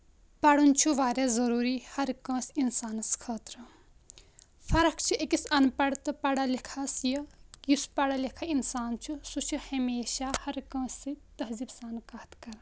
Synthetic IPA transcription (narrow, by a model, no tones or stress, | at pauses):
pɐɽunt͡ʃʰuʋaːɾezɐɾuːɾiːhɐɾkɐ̃ːsinsaːnɐskʰɐːt̪ɾɨ | fʰɐɾɐkʰt͡ʃʰiekisɐnpɐɽt̪ɨpɐɽalikʰaːsjɐjuspɐɽalikʰainsaːnt͡ʃʰusut͡ʃʰihɐmeːʃahɐɾkɐ̃ːsit̪ɐɦzibsaːnkaːt̪kɐɾ